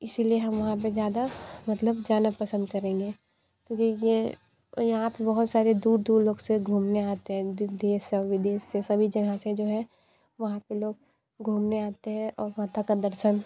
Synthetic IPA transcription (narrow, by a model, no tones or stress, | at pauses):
ɪsilieɦɐmʋɐɦãp̬ezjaːd̪amɐt̪ləbd͡ʒaːnəpɐsə̃nd̪kɐɾẽːŋɡeː | kjõːkije | jɐɦãpebɐɦʊt̪saːɾed̪uːɾd̪uːɾloːɡseɡʱuːmneaːt̪eɦɛ̃d̪d̪eːsɔʋɪd̪eːʃːesɐbʱid͡ʒɐɡãsed͡ʒoːɦɛ | ʋɐɦãpeloːɡ̚ | ɡʱuːmneaːt̪eɦɛ̃ʔɔːɾmaːt̪akad̪ɐɾʃən